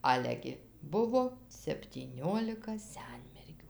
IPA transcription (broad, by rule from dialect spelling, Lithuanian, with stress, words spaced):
ˈɑːlʲɛ ɡʲɪ ˈbʊʋoː sʲɛpʲtʲiːˈnʲoːlʲɪkɐ ˈsʲɛnʲmʲɛrʲɡʲuː